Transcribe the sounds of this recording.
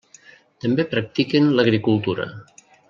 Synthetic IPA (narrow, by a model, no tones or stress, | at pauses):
t̪əmbepɾək̚t̪ikenləɣɾikulˠt̪uɾə̰